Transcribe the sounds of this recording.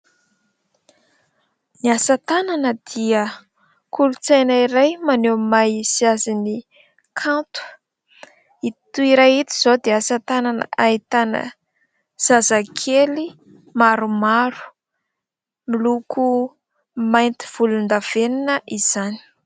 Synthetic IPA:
niasat̪ananəd̪̥iə | kulut͡sajnaiɾajmanemajisiazini | kʰant̪wə̥ | it̪uiɾajit̪iz̥od̪easat̪ananə̰ait̪anə̰ | z̥azakʰeli | maɾumaɾu̥ | milukʰu | majnt̪i̥v̥ulund̪av̥eninəʔiz̥ani̥

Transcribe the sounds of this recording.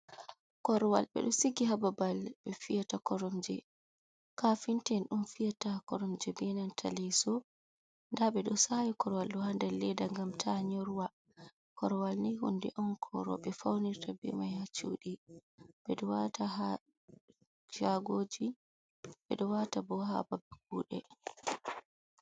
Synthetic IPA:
kɔɾɔwa̰lbɛ̰ɗɔsiɡiɦababalbɛfijatakɔɾɔmd͡ʒɛ | kafintɛnɗumfijatakɔɾɔmd͡ʒɛbɛnantʰa̰lɛsɔ | ndaɓɛɗɔsajikɔɾɔwalɗɔhandalːɛdaŋɡamtʰaɲoɾuwa | kʰɔɾɔwalnihṵndɛ̰ʔɔnkʰɔ̰ɾɔ̰ɓɛfawniɾtabɛ̰majhat͡ʃṵɗib̥ɛɗɔwataɦa | d͡ʒaɡoːd͡ʒi | ɓɛɗɔwatabɔɦa̰babɛkuːɗɛ

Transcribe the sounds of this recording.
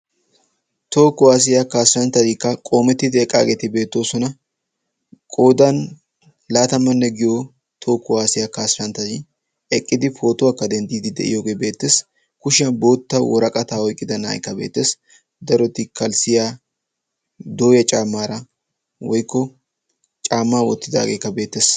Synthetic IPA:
t̪o̞ːkːɔwaːs̬ɪjakaːsɾɐnt̪ɐd̪ikːɐkʼo̞ːmɛt̪ːɪd̪ɪɛkʼːaːɡet̪ɪbe̞ːt̪ːo̞ːsɔnɐ | kʼoːd̪ɐn | laːt̪ɐmːɐnːɛɡɪjo | t̪ʰo̞ːkːɔwaːsɪjakaːsɾɐnt̪ːɐd̪ɪ | ɛkʼːɪd̪ɪfo̞ːt̪ʊwaːkːɐd̪ɛnd̪iːd̪ɪd̪ɛ̰ʔɪ̰jo̞ːɡe̞ːbe̞ːt̪ːes | kʊʃɪɐnbo̞ːt̪ːɐwɔɾɐkʼɐt̪aːɔjkʼːɪd̪ɐnːa̰ːjkːɐbḛːt̪ːeːs | d̪ɐɾɔt̪ːɪkɐlsɪjaː | d̪o̞ːjɐt͡ʃʼaːmːaːɾɐ | wɔjkːɔ | t͡ʃʼaːmːaːwɔ̰t̪ːɪd̪a̰ːɡeːkːɐbe̞ːt̪ːeːs

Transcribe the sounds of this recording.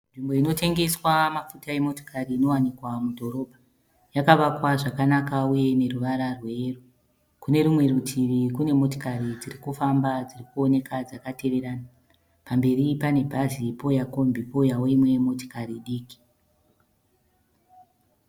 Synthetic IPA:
nʐimbo̞ino̞te̞ŋɡe̞swamafutaje̞mo̞to̥kʰariːno̞wanikwamudʱo̞ɾo̞ːbʱa | jakaʋakwaʐakanakauje̞ne̞ruʋaɾarwe̞ːru | kune̞ɾumwe̞ɾutʰiʋikune̞mo̞to̥kaɾid͡zirikufambad͡zirikuo̞ne̞kad͡zakate̞ʋe̞ɾaːna | pambe̞ripane̞bʱazipo̞jako̞mbipo̞jaweimwe̞mo̞to̥kariɗiːki̥

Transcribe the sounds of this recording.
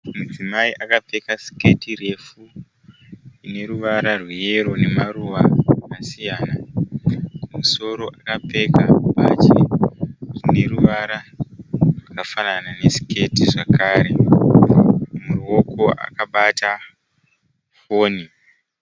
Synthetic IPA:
mud͡zimaiʔakap͡fe̞kasi̥ke̞tire̞fu | ine̞ɾuʋaɾarwijeɾo̞ne̞maruʋamasijaːna | kumuso̞ɾo̞ʔakap͡fe̞kapat͡ʃi | rine̞ruʋaɾa | rwakafananane̞si̥ke̞tiʐakaːɾe̞ | muruo̞kʰo̞ʔa̰kaɓata | fo̞ːni

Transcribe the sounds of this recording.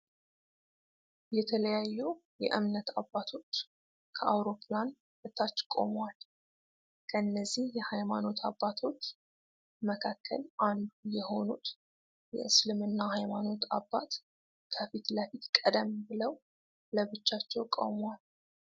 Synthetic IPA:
jɛt̪ʰələjajːujɛ̰ʔɨmnət̪ʰa̰bːat̪ʰo̞t͡ʃː | kʰəʔawɾo̞pʰlan | bɨt̪ʰːat͡ʃːkʼo̞̰mwal | kʰəɨnːəzːihjɛhajmano̞t̪ʰabːat̪ʰo̞t͡ʃː | məkʰakʰːə̰lʔand̪ujɛho̞nut̪ | jɛ̰ʔɨslɨmɨnːahajmano̞t̪a̰bːat̪ | kʰəfit̪ləfit̪kʼəd̪əmbɨləw | ləβɨt͡ʃːat͡ʃːɛwkʼo̰mwal

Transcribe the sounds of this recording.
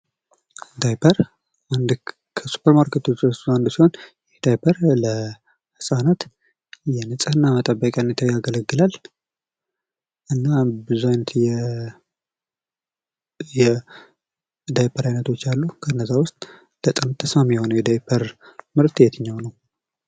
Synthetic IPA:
d̪ajpʰəɾ | and̪ | kʰəsu̥pʰːəɾmaɾkʰət̪ʰot͡ʃsuand̪siho̞njɛd̪ajpʰəɾlə | hɨsʼanat̪ | jɛnɨsʼɨhɨnːamət̪ʼəbːəkʼjanət̪ʰajaɡələɡːɨlal | ʔɨnːabɨzuajnət̪jɛ | jɛ | d̪ajpʰəɾajnət̪ʰo̞t͡ʃːalːukʰənːəzawʊst̪ʼ | ləsʼanat̪ʰːəsmamijɛho̞nəwjɛd̪ajpʰəɾmɨɾt̪ɨjɛt̪ʰɨɲːawnəw

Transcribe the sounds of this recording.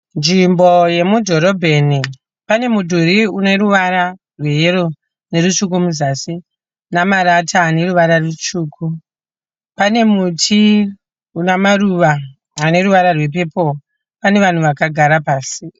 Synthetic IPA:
nd͡ʒimbo̞je̞mudʱo̞ɾo̞bʱe̞ni | pane̞mudʱuɾiune̞ɾuʋaɾa | rwe̞jeɾo | ne̞rut͡ʃuk̬umuzasi | namaɾatʰaːne̞ɾuʋaɾarut͡ʃuːkʰu | pane̞mutʰi | unamaɾuʋaː | ne̞ɾuʋaɾarwe̞p̬e̞po̞ | pane̞ʋan̤uʋakaɡʱaɾapaːsi

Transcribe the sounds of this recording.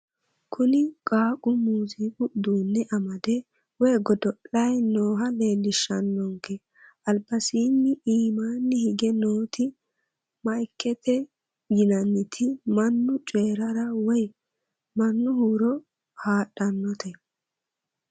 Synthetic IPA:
kʰʊnɪkʼaːkʼʊmuːzikʼʊd̪uːnːɛʔɐmɐd̪ɛ | wɔjɡɔd̪ɔʔɐjnoːɦɐle̞ːlːɪʃɐnːɔŋkɛ | ʔɐlbɐsiːnːɪiːmaːnːɪhɪɡɛnoːt̪ʰɪ | mɐjkːɛt̪ʰɛ | ɡɪnɐnːɪt̪ʰɪmɐnːʊt͡ʃʼeːɾɐɾɐwɔj | mɐnːʊhuːɾɔ | haːɗɐnːɔt̪ʰɛ

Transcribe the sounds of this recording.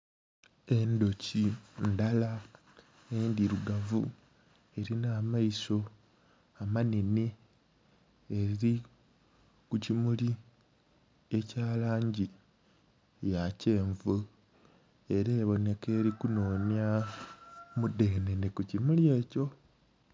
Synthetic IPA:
e̞ndo̞cindala | endiɾuɡavṵ | e̞ɾinaːmaiso̞ | amaneni | eɾiɾi | kucimuli | e̞caːlaːɲɟi | jace̞ːɱvɨ | e̞ɾeːβo̞ne̞ke̞ːɾikuno̞ːnja | mude̞nenekucimulie̞ːco̞

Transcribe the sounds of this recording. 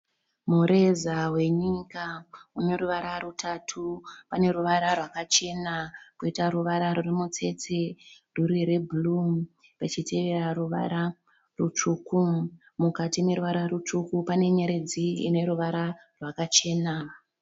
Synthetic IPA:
muɾe̞zawe̞ɲikaune̞ɾuʋaɾarutʰatʰupane̞ɾuʋaɾarwakat͡ʃe̞nakoitaɾuʋaɾaɾurimut͡se̞t͡se | ruriɾe̞bʱulum | rat͡ʃite̞ʋe̞ɾaɾuʋa̰ɾa | rut͡ʂuku | mukatime̞ɾuʋaɾaɾut͡ʂukupane̞ɲe̞ɾe̞d͡ziḭne̞ɾuʋaɾa | rwakat͡ʃe̞na

